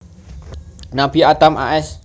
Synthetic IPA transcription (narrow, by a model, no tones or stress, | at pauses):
nab̥iat̪amʔa̰ʔɛs